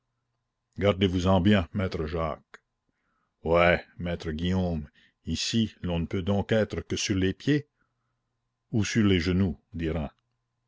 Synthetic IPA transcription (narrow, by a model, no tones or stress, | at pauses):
ɡaʁd̪evuzɑ̃bjɛ̃mɛːt̪ɾəʒa̰ːk | wɛmɛːt̪ɾəɡijoːm | isilɔ̃nəpød̪ɔ̃ːkɛːt̪ɾəkəsyʁlepje | usyʁleʒənud̪iʁɛ̃